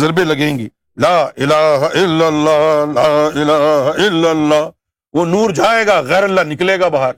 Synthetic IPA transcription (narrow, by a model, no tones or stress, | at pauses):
zɐɾbelɐɡẽːŋɡiː | laːʔɪlaːɦɪlːəlːaːɦlaːɪlaːɦɪlːəlːaː | ʋoːnuːɾd͡ʒaːeːɡaːɣɛːɾəlːanɪkleːɡabaɦəɾ